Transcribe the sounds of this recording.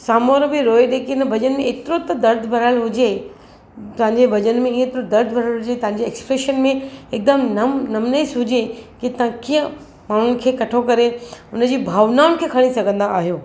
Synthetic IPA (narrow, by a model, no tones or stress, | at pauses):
saːmoːɾbɪɾoːeɗeːkiɪnəbʱɐd͡ʑən̆mẽeːt̪ɪɾot̪ɐd̪ɐɾd̪ʱbʱɐɾaːɪlɦʊd͡ʑe | t̪ɐ̃ɦɪ̃ɲd͡ʑebʱɐd͡ʑənmẽĩet̪ɪɾod̪ɐɾd̪ʱbʱɐɾalɦʊd͡ʑet̪ɐ̃ɦãɲ̆d͡ʑeːkspɾeːʃənmẽɪk̚d̪əmnɐmnɐmnesɦʊd͡ʑekit̪ɐɦãkiːə̃ | maːɳ̤ʊnɪ̆kʰeːkɐʈʰokɐɾeʊnə̆d͡ʑiːbʱaːʋnaːʊnɪkʰeːkʰɐɽ̃isɐɡʱə̃nd̪aːɦijoː